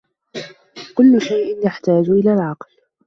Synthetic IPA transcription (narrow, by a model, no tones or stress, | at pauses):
kʊlːʊʃajʔɪnjaħt̪aːd͡ʒʔɪlaːlʕɑql